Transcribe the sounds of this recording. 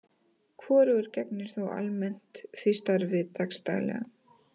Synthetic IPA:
kʰvɔːɾʏɛɾcɛknɪɾ̥θawa̰lmɛn̥t̪fɪst̪aɾvɪðt̪ʰakst̪a̰ɣlɛ̰ɣa

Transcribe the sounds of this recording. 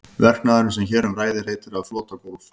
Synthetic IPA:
vɛr̥knaːðɪɾʏms̬ɛmçɛːɾʏmraːjðɪr̥heːjt̪ɪɾaðflɔːt̪akowlf

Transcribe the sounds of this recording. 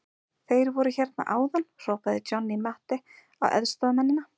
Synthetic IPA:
θejɾvɔɾʏçɛɾt̪na̰ʔaːwðanr̥ɔːpaðɪt͡ɕɔnːimaht̪ɪ | a̰wɛ̰ðst̪ɔðmɛnːɪna

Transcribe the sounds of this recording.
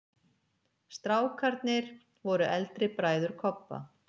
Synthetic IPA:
st̪ɾaːwkʰaɾt̪nɪɾ̥ | vɔɾʏʔɛlt̪ɾɪpɾaːjðʏɾ̥kʰɔpːa̰

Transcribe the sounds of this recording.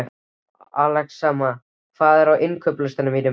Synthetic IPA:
alɛxsaːma | kʰvaːðɛɾawʔɪnkʰœplʏst̪anʏmit̪ʏ

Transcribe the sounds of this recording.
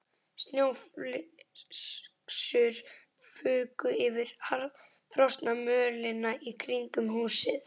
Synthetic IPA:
st̪njowfl | sʏɾ̥ | fʏːkʏɪvɪɾhal | fɾɔwst̪namœːlɪnːaʔikʰɾiŋkʏmhuːsɪθ

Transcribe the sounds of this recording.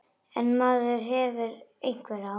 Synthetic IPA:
ɛnmaːðʏɾ̥ɦɛvɪɾejŋ̥kvɛɾa

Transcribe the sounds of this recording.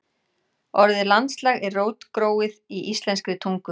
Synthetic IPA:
ɔɾðɪlant̪slaːɣɛɾroːwt̪kɾoːwɪðiʔist̪lɛnskɾɪt̪ʰuŋkʏ

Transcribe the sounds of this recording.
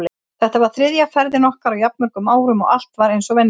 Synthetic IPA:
lɪ | θɛht̪avaɾ̥θɾɪðjafɛɾðɪnɔhkaɾawjapnmœɾ̥kʏmaːwɾʏmɔ̰ɣal̥t̪vaɾejnsɔvɛnː

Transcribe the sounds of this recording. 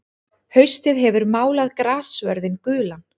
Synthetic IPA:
hœɥst̪ɪðɦɛvʏɾmaːwlaðkɾaːsvœɾðɪnkʏːlan

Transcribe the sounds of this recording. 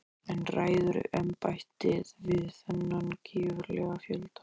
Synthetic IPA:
ɛnraːjðʏɾʏ̰ʔɛmpajht̪ɪðvɪðθɛnːancʰiːvʏɾlɛɣafjœlt̪ḁ

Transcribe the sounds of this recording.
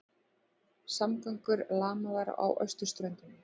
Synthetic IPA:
samkœŋkʏɾlaːmaðaɾa̰wʔœ̰ɥst̪ʏ̥st̪ɾœjnt̪ʏn

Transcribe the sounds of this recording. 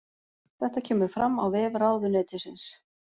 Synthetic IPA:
θɛht̪acʰɛːmʏɾ̥fɾamːawvɛːvɾaːwðʏnɛːt̪ɪsɪns

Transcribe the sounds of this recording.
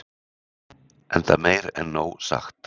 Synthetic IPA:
ʔɛnt̪ameːjɾɛ̰nːoːwsa̰xt̪

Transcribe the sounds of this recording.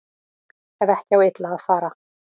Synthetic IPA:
ɛvɛhcɪawɪt̪laɣaðfaːɾa

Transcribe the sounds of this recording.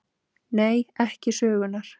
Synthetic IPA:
neːjɛhcɪsœːɣʏnːaɾ̥

